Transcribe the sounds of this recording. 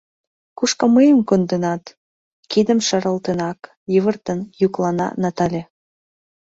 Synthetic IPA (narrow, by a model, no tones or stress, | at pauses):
kuʃkɑməjəmkond̪ənɑt̪ | kid̪ə̆mʃɑɾə̆lt̪enɑk | jəβə̆rt̪ənjuklɑnɑ̰nɑt̪ɑlʲe